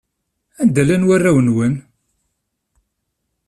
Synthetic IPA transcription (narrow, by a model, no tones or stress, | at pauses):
ænd̪ælænwarːæwənwən